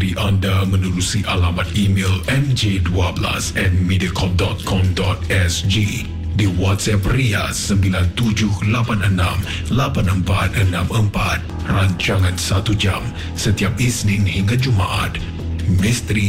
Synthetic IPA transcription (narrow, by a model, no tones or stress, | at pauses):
ɾiʔandəmənuɾusiʔalamat̪̚imelɛ̃md͡ʒeduabla̰sɛt̪̚midiakʰɔp̚dɔt̪̚kʰɔmdɔt̪̚ɛsd͡ʒi | diwɔt̪sɛp̚riasəmbilant̪ud͡ʒʊhlapanənãm | lapanəmpa̰t̪̚ənãməmpat̪̚ | raɲt͡ʃaŋãnsat̪ud͡ʒam | sət̪iap̚isnĩnhiŋɡad͡ʒumaʔa̰t̪̚ | mist̪əɾi